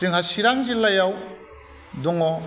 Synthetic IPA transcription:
tiŋhasiɾaŋzilajaw | dɔŋɔ

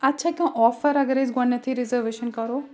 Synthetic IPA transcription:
ɐtːʃʰaːkʲãːʔɔːfɐɾɐɡɐɾeːzɡɐnːɐt̪ʰiɾizəɾʋeːʃənkɐɾoː

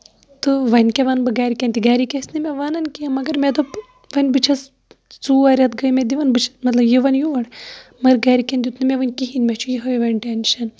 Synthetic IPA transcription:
t̪ɨʋɐnʲkeʋɐnbɨɡaːɾikenʲt̪iɡaːɾikesnɨmʲeʋɐnɐnkijɐmɐɡɐɾmed̪o | ʋɐnʲbɨt͡ʃʰɐs | t͡suɐɾʲɐt̪ɡəjmed̪iʋɐnbɨt͡ʃʰɐ̥mɐt̪lɐbjiʋɐnjuʋɐɽmɐɾɡaːɾikʲɐnd̪ʲit̪ʰnɨmeʋɐnʲkiɦinʲmʲɛt͡ʃʰujiɦɐjiʋɐnʲʈenʃɐn

